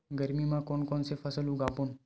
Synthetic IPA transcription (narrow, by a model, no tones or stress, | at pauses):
ɡəɾmimãkonkonsefʰəsəlũɡapun